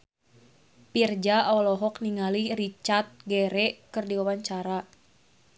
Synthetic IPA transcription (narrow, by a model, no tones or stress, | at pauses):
pird͡ʒaaɔlɔɦɔkniŋalirit͡ʃart̪̚ɡɛɾɛkɨrdiawaɲt͡ʃaɾa